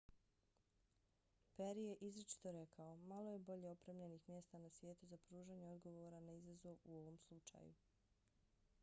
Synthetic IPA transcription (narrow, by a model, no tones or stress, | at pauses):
peɾije̞ʔizɾit͡ʃi̥t̪o̞ɾe̞kʰao̞malˠo̞je̞bo̞ʎeopɾeːmʎenixmje̞st̪anasʋje̞ːt̪uzapɾuːʒaɲeo̞d̪ɡo̞ʋoːɾanaizazoʋuo̞ʋo̞mslˠut͡ʃa̰jṵ